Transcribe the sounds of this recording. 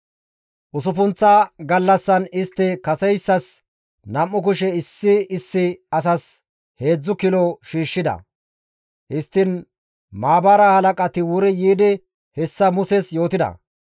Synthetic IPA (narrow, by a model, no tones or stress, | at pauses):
ʔʊsʊfʊnt͡sːaɡɐlːɐsːɐnɪst̪ːɪkɐsɛjsːɐs | nɐmːʊk̬ʊʃɛɪsːɪɪsːɪɐs̬ɐs | he̞ːd͡zːʊkɪlɔʃiːʃːɪd̪ɐ̰ | hɪst̪ːɪn | maːbaːɾɐhɐlɐkʼɐt̪ɪwʊɾɛjiːd̪ɪ | hɛsːɐmʊsɛsjo̞ːt̪ɪd̪ɐ̰